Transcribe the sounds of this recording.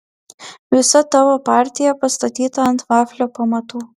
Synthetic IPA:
ʋʲɪsɐt̪ɐʋopaːɾʲt̪ʲijɛpɐst̪ɐt̪ʲiːt̪ɐɐnt̪ʋaːfʲlʲopɐmɐt̪uː

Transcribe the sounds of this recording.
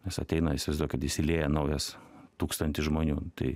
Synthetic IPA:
nʲɛsɐ̰t̪ʲɛɪnɐɪsʲʋɐɪzd̪uːjkɐt̪jɪsʲɪlʲeːjɛnɐʊjɛst̪uːkst̪ɐnʲt̪ʲɪsʒmoːnʲuːt̪ɐ̰ɪ

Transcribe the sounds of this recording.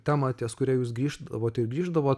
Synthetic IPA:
t̪ʲæːmɑt̪ʲiɛskʊɾʲɛːjuːsɡɾʲiːʒd̪ɐʋoːt̪ɪɾɡɾʲiːʒd̪ɐʋoː

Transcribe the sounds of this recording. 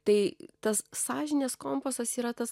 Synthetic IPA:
t̪ɐɪt̪ɐssɑːʒʲɪnʲeːskoːmpoːsɐsiːɾɐt̪ɐs

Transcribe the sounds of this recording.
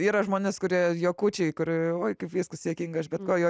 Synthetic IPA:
iːɾɐʒmoːnʲɪskʊɾʲiɛjoːkuːt͡ʃʲɛɪkʊɾɪoːɪkɐɪpʋʲiːskʊssʲiɛkʲiːŋɡɐʃbʲɛt̪koːjoː

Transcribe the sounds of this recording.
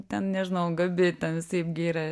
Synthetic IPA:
t̪ʲɛnnʲɛʒʲɪnɐʊɡɐbʲɪt̪ʲɛnʋʲɪsɐɪpɡʲɪiːɾɐ

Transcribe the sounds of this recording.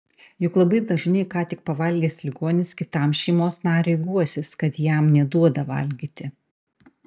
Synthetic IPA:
jʊklˠɐbɐɪd̪ɐʒnʲɐɪkɑːt̪ʲɪk̚pɐʋɐlʲɡʲeːslʲɪɡoːnʲɪskʲɪt̪ɐˑmʃʲɛɪmoːsnɑːɾʲɛɪɡuɔsʲɪskɐt̪jæˑmnʲɛd̪uɔd̪ɐʋɐ̰lʲɡʲiːt̪ʲɪ

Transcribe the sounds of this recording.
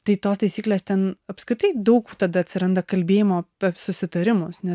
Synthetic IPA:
t̪ɐɪt̪oːst̪ɐɪsʲiːklʲeːst̪ʲɛnɐpskɾʲɪt̪ɐɪd̪ɐʊkut̪ɐd̪ɐɐt̪ʲsʲɪɾɐnd̪ɐkɐlʲbʲeːjɪmoːɐpʲɛsʊsʲɪt̪ɐɾʲɪmʊsnʲɛs

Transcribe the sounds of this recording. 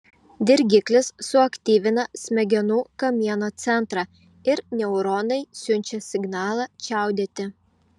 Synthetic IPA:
d̪ʲɪɾʲɡʲɪklʲɪsːʊɐkʲt̪ʲiːʋʲɪnɐsʲmʲɛɡʲɛnuːkɐmʲiɛnoːt̪sʲɛnˑt̪ɾɑː | ɪɾnʲɛʊɾɔnɐɪsʲʊnʲt͡ʃʲɛsʲɪɡnɑːlˠɑːt͡ʃʲæˑʊd̪ʲeːt̪ʲɪ

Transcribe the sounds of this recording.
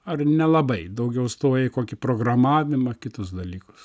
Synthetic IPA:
ɐrnʲɛlˠɐbɐɪd̪ɐʊɡʲɛʊst̪oːjɛkoːkʲɪpɾoːɡɾɐmɑːʋʲɪmɐkʲɪt̪ʊsd̪ɐlʲiːkʊ̥s

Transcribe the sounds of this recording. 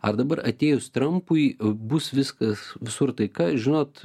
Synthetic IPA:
ɐ̰rd̪ɐbɐɾɐt̪ʲeːjʊst̪ɾɐmpʊɪbʊsʋʲɪskɐsʋʲɪsʊrt̪ɐɪkɑːʒʲɪnoːt̪

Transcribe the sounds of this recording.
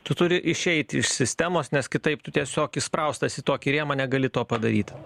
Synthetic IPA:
t̪ʊt̪ʊɾʲɪʔɪʃʲɛɪt̪ʲɪɪʃsʲɪsʲt̪ʲæmoːsnʲɛskʲɪt̪ɐɪpt̪ʊt̪ʲiɛsʲoːkɪspɾɐʊst̪ɐsʲɪt̪oːkʲɪɾʲeɛmɐnʲɛɡɐlʲɪt̪oːpɐd̪ɐɾʲiːt̪ʲ

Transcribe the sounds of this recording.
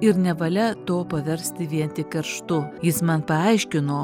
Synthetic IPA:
ɪɾnʲɛʋɐlʲɛt̪oːpɐʋʲɛɾʲsʲt̪ʲɪʋʲiɛnt̪ʲɪkʲɛɾʃt̪ʊjɪsmɐnpɐɑɪʃʲkʲɪnoː

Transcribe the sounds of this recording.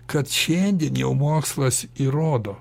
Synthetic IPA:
kɐt̪ʃʲɛnʲd̪ʲiɛnjɛʊmoːkslˠɐsiɾoːd̪oː

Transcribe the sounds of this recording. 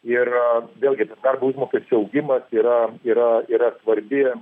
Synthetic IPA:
ɪrʋʲeːlʲɡʲɪt̪ɐsd̪ɐrbɐuʒmoːkʲesʲt͡ʃʲuɐʊɡʲɪmɐsiːɾɐiːɾɐiːɾɐsʋɐɾʲbʲɪ

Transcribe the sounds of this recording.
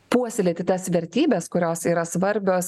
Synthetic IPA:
puɔsʲɪlʲeːt̪ʲɪt̪ɐsʋʲɛɾʲt̪ʲiːbʲɛskʊɾʲoːsiːɾɐsʋɐɾʲbʲoːs

